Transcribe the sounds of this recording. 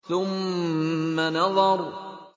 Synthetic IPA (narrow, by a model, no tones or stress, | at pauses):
θʊmː | anɑðˤɑɾˤ